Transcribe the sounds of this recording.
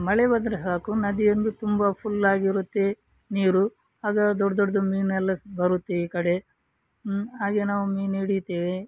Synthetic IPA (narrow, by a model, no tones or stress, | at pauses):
mɐɭebɐd̪ɾɐsaːkunɐd̪ijend̪ut̪umbɐpʰulːaːɡiɾut̪ːe̞ | niːɾu | aːɡɐd̪ɔɽɐd̪ɔɽd̪umiːnɛlːɐbɐɾut̪ːeiːkɐɽe̞ | ɦaːɡenaːʋumiːniːɽit̪ːeːʋe